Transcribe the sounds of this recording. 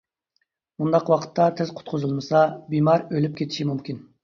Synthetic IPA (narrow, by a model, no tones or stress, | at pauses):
mund̪ɑqʰwɑqʰə̥t̪ʰːɑt̪ʰɪzqʰʊ̥t̪̚qʰʊzɨlˠmɨsɑbimɑɾølyp̚kʲʰet̪ʰi̥ʃimumkʲʰin